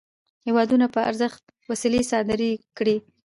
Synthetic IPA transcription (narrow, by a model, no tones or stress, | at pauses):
hewɑd̪unapəa̰ɾzəxt̪̚ | wasilisɑd̪aɾikɽi